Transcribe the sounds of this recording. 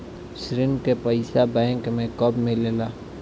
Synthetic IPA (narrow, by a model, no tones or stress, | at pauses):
sɾɪnkepəɪsabɛ̃ɪŋkmẽkəbmelelaː